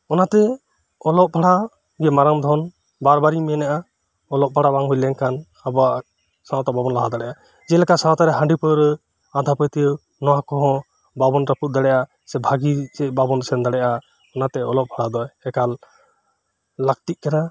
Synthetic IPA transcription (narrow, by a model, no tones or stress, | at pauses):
ɔnat̪ɛ | ɔlɔp̚bʱaɽa | ɡɛmaɾamd̪ʱɔn | baɾbaɾimɛnaʔa | ɔlɔp̚bʱaɽabaŋɦujlɛŋkan | abaʔ | sãt̪ababɔnlaɦad̪aɽɛjʔa | d͡ʒɛlɛkasãt̪aɾɛɦãɳɖipəɾ | ad̪ʱapəjt̪e | nɔwakɔɦɔ̃ | babɔnɾaput̪̚d̪aɽɛʔa | sɛbʱaɡid͡ʒɛbabɔnsɛnd̪aɽɛʔa | ɔnat̪ɛɔlɔp̚bʰʱaɽad̪ɔjɛkal | ak̚t̪iʔ̚kana